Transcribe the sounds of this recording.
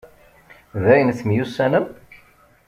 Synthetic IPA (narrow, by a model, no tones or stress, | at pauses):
ðæjənθmjusːænəm